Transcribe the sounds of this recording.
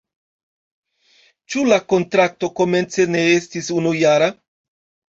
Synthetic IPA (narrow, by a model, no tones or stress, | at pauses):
t͡ʃulako̞ntɾak̚to̞ko̞me̞nt͡se̞ne̞estisunujaɾa